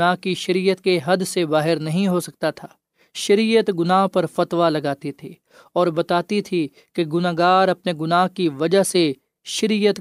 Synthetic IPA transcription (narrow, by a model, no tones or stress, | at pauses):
naːɦkiʃɐɾijət̪keɦɐd̪sebaːɦɪɾnɐɦĩɦosɐk̚t̪at̪ʰaː | ʃɐɾiːjət̪ɡʊnaːɦpɐɾfɐt̪ʋalɐɡaːt̪it̪ʰiː | ɔːɾbɐt̪aːt̪it̪ʰi | keɡʊnaːɡaːɾɐpneɡʊnaːɦkiʋɐd͡ʒəɦse | ʃɐɾijət̪